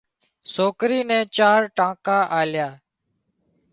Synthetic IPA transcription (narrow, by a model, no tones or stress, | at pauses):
soːkɾiːnẽːt͡ʃaːɾʈãːkaːʔaːljaː